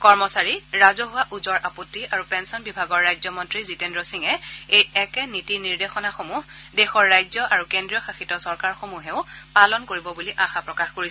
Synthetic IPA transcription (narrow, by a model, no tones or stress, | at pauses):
kɔɹmɔsaɹiɹazɔɦʊwaʔuzɔɹʔapotːiaɹupɛnsɔnbibʱaɡɔɹːajzɔmɔntɹizitendɹɔsiŋɛejɛkɛnitiniɹdexɔnaxomuhdɛxɔɹːajzɔʔaɹukendɹijɔxaxitɔsɔɹkaɹxomuɦɛʊpalɔnkoɹibɔbuliʔaxapɹɔkaxkoɹi